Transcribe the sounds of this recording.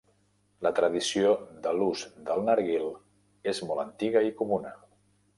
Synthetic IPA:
lət̪ɾəð̞isioðəluzd̪əlˠnaɾɣilˠ | ezmɔlˠənt̪iɣəikumunə

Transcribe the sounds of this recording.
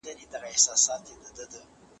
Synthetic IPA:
d̪aned̪aɣaɪhsɑsɑt̪jed̪əd̪əd̪ə

